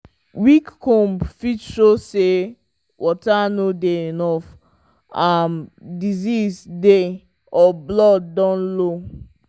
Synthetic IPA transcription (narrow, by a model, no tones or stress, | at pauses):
wikkɔ̃mpfitʃose | wʔɔtanodeenɔf | amdizizde | ɔblɔdːɔ̃nlo